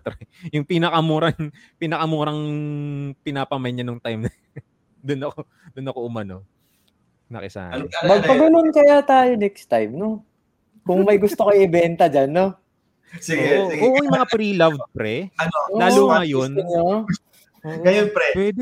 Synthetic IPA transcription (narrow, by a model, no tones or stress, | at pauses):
t̪ɾɛjʊŋpinɐkɐmuːɾɐŋpɪnɐkɐmuːɾɐŋ | pɪnaːpɐmɐjɲanoŋt̪ajmnɐ | d̪ʊnɐko | d̪ʊnɐko̞ʔʊmɐno̞̰ | nɐ̰kɪsa̰ːmɐɡ̚pɐɡunonkɐjat̪aːjonɛkst̪ajmno | kʊŋmɐjɡʊst̪okoɪʔɪbɛnt̪ɐd͡ʒanːo | siɡoːoʔoːʔojmɐŋapɾilɐvd̪̚pɾɛɐnoolaːluːajonɲo | oʔɡɐjonpɾɛpwɛd̪ɪ